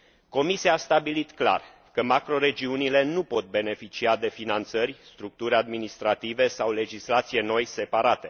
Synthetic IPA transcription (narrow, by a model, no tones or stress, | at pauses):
ko̞misiaːst̪abilit̪kla̰r | kəmakɾo̞ɾe̞d͡ʒiunile̞nupo̞t̪̚be̞ne̞fit͡ʃiad̪e̞finant̪sərʲst̪ɾuk̚t̪uɾʲad̪minist̪ɾat̪ive̞sawle̞d͡ʒislat̪sije̞no̞jse̞paɾat̪e̞